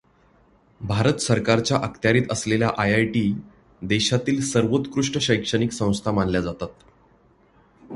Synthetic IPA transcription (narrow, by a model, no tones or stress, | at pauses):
bʱaɾət̪səɾkaɾt͡ɕjaʔəkt̪jaɾiːt̪əslelja̰ʔajajʈiː | d̪eɕat̪iːlsəɾʋot̪kɾuʂʈəɕəjkʂəɳiːksə̃w̃st̪ʰamanljad͡zat̪at̪̚